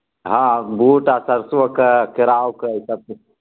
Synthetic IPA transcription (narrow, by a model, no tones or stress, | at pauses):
ɦãbuʈasəɾsʋəkəkɪɾaːwkəisəb̚